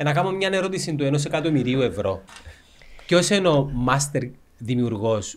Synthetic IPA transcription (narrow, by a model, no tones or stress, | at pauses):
enɐkɐmomɲɐneɾo̞t̪isint̪ue̞nos̬ekɐt̪omiɾiue̞vɾo̞̰ | ceosenomɐst̪eɾ | ðimiuɾɣo̞s